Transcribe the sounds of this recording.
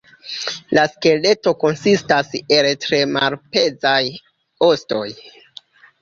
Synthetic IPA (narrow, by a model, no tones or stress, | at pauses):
laske̞le̞to̞ko̞nsistase̞ltɾe̞malpe̞zaj | osto̞j